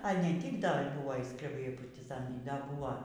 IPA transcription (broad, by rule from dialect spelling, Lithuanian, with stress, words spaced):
ɐ ˈnʲɛ ˈtʲiːk dɐ ˈbʊʋoː iː skrʲɛˈbɐɪ iː pɐrʲtʲɪˈzɑːnɐɪ ˈdɐ ˈbʊʋoː